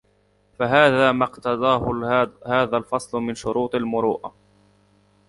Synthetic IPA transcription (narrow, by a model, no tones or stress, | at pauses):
faɦaːðaːmɑqt̪ɑd̪ˤɑːhʊhaːðalfɑsˤlʊmɪnʃʊɾuːt̪ˤalmʊɾuːʔa